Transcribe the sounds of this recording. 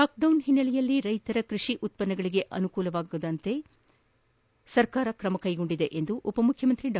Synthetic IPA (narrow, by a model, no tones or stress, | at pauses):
aːk̚ɖɐwnɦinːɐlɛjɐlːiɾɐjt̪ɐɾɐkɾiʂiʔut̪̚pɐnːɐɡɐɭiɡe̞ʔɐnukuːlɐʋaːɡud̪ɐnt̪e̞ | sɐɾkaːɾɐkɾɐmɐkɐjɡo̞ɳɖid̪e̞ʔend̪uʔupɐmukʰːjɐmɐnt̪ɾiɖa